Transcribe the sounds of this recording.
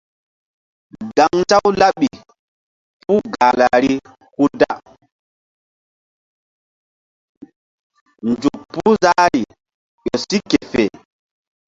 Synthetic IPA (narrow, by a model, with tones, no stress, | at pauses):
da˨ŋta˦wla˦ɓi˨ | pu˦ɡa˨la˨ɾi˦ | ku˦da̰˦ | nd͡ʒu˨kpːu˦za˦ɾi˨ | ɗo˨si˦ke˨fḛ˨